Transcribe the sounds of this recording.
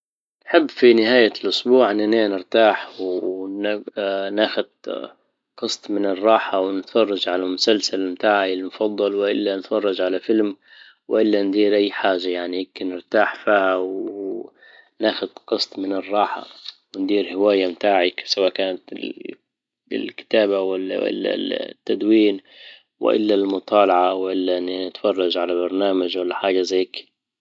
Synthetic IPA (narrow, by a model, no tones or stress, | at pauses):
nħɪbːfinɪhaːjalʔʊsbuːʕɪnːaneːnɪɾt̪aːħwn | naːxʊd̪̚ | qɨst̪ˤmɪnɪrˤːɑːħawnɪt̪fɑrˤːɑd͡ʒʕalamʊsalsalmt̪aːʕilmʊfɑd̪ˤːɑlwɪʔɪlːanɪt̪fɑrˤːɑd͡ʒʕalafɪlm | wɪʔɪlːand̪iːɾʔajːħaːʒːajaʕnijɪmkɪnɪɾt̪aːħfiːhaw | naːxʊd̪qɨsˤt̪ˤmɪnɪrˤːɑːħa̰wɪnd̪iːɾhɪwaːjamt̪aːʕɪksawaːʔkaːnat̪ | ɪ̰lkɪ̥t̪aːbawalːa̰ʔɪ̰la̰lt̪ːad̪wiːn | wɪ̰ʔɪ̰lːalmʊt̪ˤɑːlɑʕawɪʔɪlːannɪt̪fɑrˤːɑd͡ʒʕalabɑɾˤnaːmad͡ʒwalːaħaːd͡ʒazaːk